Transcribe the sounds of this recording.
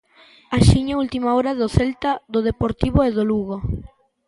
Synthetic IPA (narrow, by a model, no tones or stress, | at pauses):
aʃiɲault̪imaoɾaðoθelt̪aðoðepoɾt̪iβoeðoluɣo